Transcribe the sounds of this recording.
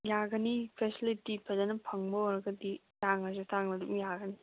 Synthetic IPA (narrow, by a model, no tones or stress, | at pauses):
jaɡɐnipʰesilitipʰɐdɐnɐpʰɐŋbɐɔɾɐɡɐdi | taŋɐzutʰaŋnɐdumjaɡɐni